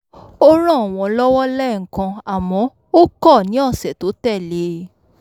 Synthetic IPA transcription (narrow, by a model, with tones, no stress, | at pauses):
o˦ɾ̃ã˦˨w̃ɔ̃˧lɔ˦wɔ˦lɛ˦˨ŋ̩˨kã˧a˨mɔ̃˨˦ | o˦kɔ˦˨nĩ˨˦ɔ˦˨sɛ˨to˨˦tɛ˦˨le˨˦